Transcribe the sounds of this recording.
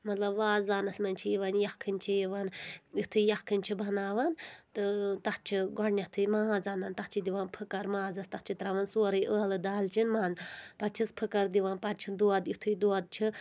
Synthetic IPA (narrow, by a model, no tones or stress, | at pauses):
mɐt̪lɐbʋaːzaːnɐsmɐnʲt͡ʃʰiiʋɐnjɐkʰːɨnʲt͡ʃʰiiʋɐnjit̪ʰujɐkʰːɨnʲt͡ʃʰibʱɐnaːʋɐnt̪ɨt̪ɐtt͡ʃʰiɡɔɽnʲɐt̪ʰɨmaːazaːnɐnt̪ɐt͡ʃʰid̪iʋɐnpʰɨkɐɾmãːzɐst̪ɐt͡ʃʰit̪ɾɐʋɐnsuːɾɐjʔəːlɨd̪aːlt͡ʃʰinmaːzpɐt̪̚t͡ʃʰispʰɨkɐɾd̪iʋɐnpɐt̪̚t͡ʃʰid̪uɐd̪jit̪ʰuid̪uɐd̪̚t͡ʃʰi